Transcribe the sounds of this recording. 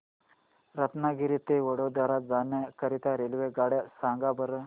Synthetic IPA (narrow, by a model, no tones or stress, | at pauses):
ɾət̪naɡiɾit̪eʋəɽod̪aɾat̪̚d͡zanjakəɾit̪aɾelʋeɡaɽjasãŋɡabəɾə